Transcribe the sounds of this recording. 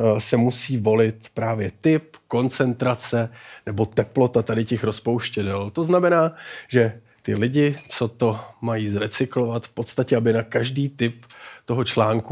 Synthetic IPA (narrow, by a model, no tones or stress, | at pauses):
sɛmusiːvo̞lɪt̪pɾaːvjɛt̪ɪp̚ko̞nt͡sɛnt̪ɾat͡sɛnɛbo̞t̪ɛplo̞t̪at̪adɪcɛxɾo̞spowʃcɛdɛlt̪o̞znamɛnaːʒɛ | t̪ɪ̰lɪɟɪt͡so̞t̪o̞majiːzɾɛt͡sɪklo̞vat̪fpot̪st̪acɛabɪnakaʒdiːt̪ɪpt̪o̞ɦo̞t͡ʃlaːŋku